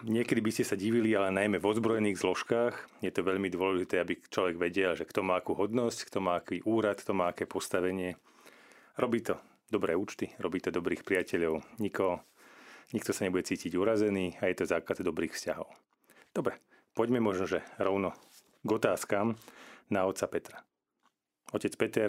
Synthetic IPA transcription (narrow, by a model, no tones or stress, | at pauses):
ɲɪɛkɛd̪ibiscɛsaɟiʋilialɛnajmɛvɔzbɾɔjɛniːɣzlɔʃkaːxjɛt̪ɔʋɛʎmid̪ʊɔlɛʒit̪ɛːabit͡ʃlɔʋɛɡʋɛɟɛlʒɛkt̪ɔmaːakuːɦɔd̪nɔsckt̪ɔmaːakiːʔuːɾat̪kt̪ɔmaːakɛːpɔst̪aʋɛɲɪɛ | ɾɔbiːt̪ɔ | d̪ɔbɾɛːuːt͡ʃt̪iɾɔbiːt̪ɔd̪ɔbɾiːxpɾiacɛʎɔʊɲikɔɦɔ | ɲik̚t̪ɔsaɲɛbuɟɛt͡siːciɟuɾazɛniːajɛt̪ɔzaːkazd̪ɔbɾiːxfscaɦɔ̰ʊ | d̪̥ɔbɾɛ | pɔɟmɛmɔʒnɔʒɛɾɔʊnɔ | ɡɔt̪aːskamnaɔt̪sapɛt̪ɾa | ɔcɛt͡spɛt̪ɛɾ